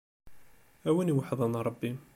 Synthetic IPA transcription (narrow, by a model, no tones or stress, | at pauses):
æwæniwaħðˤɑnɾˤɑbːi